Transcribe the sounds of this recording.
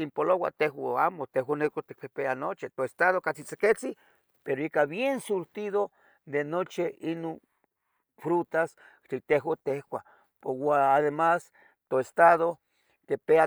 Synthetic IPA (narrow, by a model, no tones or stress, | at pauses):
kimpolowa̰t̪eɦwaamot̪eɦwanekot̪ik̚pepeanot͡ʃit̪oest̪aðokat͡sit͡seket͡si | peɾoikaβjensuɾt̪iðo | d̪enot͡ʃiinon | fɾut̪as | t̪it̪eɦwat̪ehwʷa | powaːðemas | t̪oest̪aðo | t̪epea